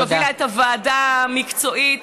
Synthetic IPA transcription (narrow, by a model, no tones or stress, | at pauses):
oviaetavaːdamikt͡soʔit